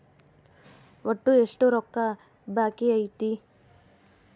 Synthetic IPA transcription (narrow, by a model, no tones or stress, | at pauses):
ʋoʈːueʂʈuɾɔkːɐ | baːkiɐjt̪i